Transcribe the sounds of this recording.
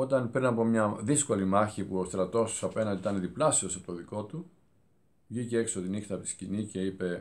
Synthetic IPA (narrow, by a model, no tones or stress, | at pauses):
o̞t̪ɐnpɾinɐpo̞mɲɐðisko̞limɐçipuost̪ɾɐt̪o̞st̪u̥sɐpe̞nɐnd̪iit̪ɐneðiplɐsiosɐpot̪oðiko̞t̪u | vʝiceekso̞t̪inixt̪ɐt̪i̥scinice̞ipe̞